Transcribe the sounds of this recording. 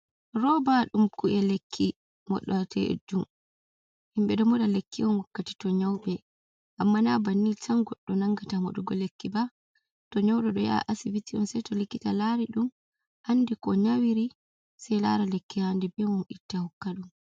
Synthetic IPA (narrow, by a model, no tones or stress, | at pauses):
ɾɔbaɗumkuʔɛlekʰːi | mɔ̰ɗːɔtʰɛʔḛd͡ʒːum | himɓɛɗɔmɔdalekːiɔnwakːati̥tɔɲawɓɛ | ʔamːanabanːit͡ʃaŋɡɔɗːɔnaŋɡatamɔɗuɡɔlekːiba | tɔɲawɗɛɗɔja̰ʔasibitːiɔnsɛjtɔlikːitalaɾiɗum | ʔanːdɛkɔɲawiɾi | sajla̰ɾalekːihandɛbɛmɔnɗitːahɔkːaɗum